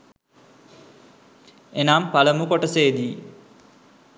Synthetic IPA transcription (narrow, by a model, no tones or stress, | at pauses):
enaːmpaləmukoʈəseːd̪iː